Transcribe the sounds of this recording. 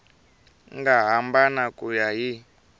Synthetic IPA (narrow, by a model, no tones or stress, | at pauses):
ŋɡaɦambanakʼujaɦi